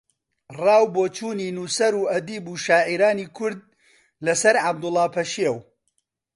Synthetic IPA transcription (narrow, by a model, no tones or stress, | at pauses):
rɑːwboːt͡ʃʰuːniːnuːsɐɾuːɐd̪iːbuːʃaːʕiɾaːniːkʰʊɾd̪̚ | lɐsɐɾʕab̚d̪ʊlˠːɑːpʰɐʃiew